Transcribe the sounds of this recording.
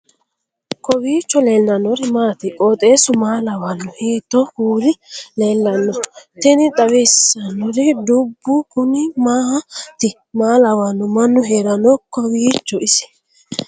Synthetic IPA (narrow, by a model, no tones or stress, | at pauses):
kɔwiːt͡ʃːɔle̞ːlːɐnːɔɾɪmaːt̪ɪkʼoːt̪ʼe̞ːsʊmaːlɐwɐnːʊhiːt̪ːɔhuːɾɪle̞ːlːɐnːɔt̪ɛnɪt̪ʼɐwɛsɐnːɔɾɪd̪ʊbːʊkʊnɪmaːt̪ɪ | maːlɐwɐnːʊmɐnːʊɦeːɾɐnɔkɔwiːt͡ʃːɔʔɪsɪ̥